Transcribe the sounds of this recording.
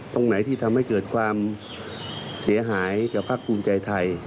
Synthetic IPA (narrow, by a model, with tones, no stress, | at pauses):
t̪o˧ŋna˩˦t̪ʰiː˧˩t̪ʰa˧mha˥˩jkɤː˨˩t̪̚kʰwaː˧m | si˩˦ɐɦaː˩˦jka˨˩pʰaː˦˥˩k̚pʰuː˧mt͡ɕa˧jt̪ʰa˧j